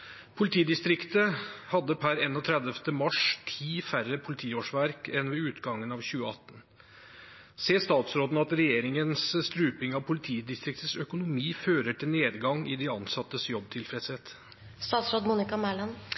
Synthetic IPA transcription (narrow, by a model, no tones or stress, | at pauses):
pʰʊlɪt̪ʰiːd̪ɪst̪ɾɪkt̪əhɑd̪ːəpʰæɾɛnːɔt̪ʰɾɛd̪əft̪əmɑʂt̪ʰiːfærəpʰʊlɪt̪ʰiːoːʂʋæɾkɛnʋɛʉːt̪ɡɑŋːənɑʋçʉːəɑ̰t̪ːən | seːst̪ɑːt̪sɾoːd̪nɑt̪ɾɛjeːɾɪŋənsst̪ɾʉːpɪŋɑʋpʰʊlɪt̪ʰiːd̪ɪst̪ɾɪk̚t̪əsœkʊnʊmiːføːɾəʈʰɪlneːd̪ɡɑŋɪd̪ɪɑnsɑt̪ːəsjɔbːt̪ʰɪlfɾɛt̪sheːt̪ | st̪ɑːt̪sɾoːd̪muːnɪkɑmæɭɑn